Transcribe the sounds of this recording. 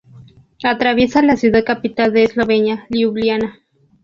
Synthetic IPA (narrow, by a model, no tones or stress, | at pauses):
at̪ɾaβjesalasjuðað̚kapit̪ald̪eːzloβenjaliuβljana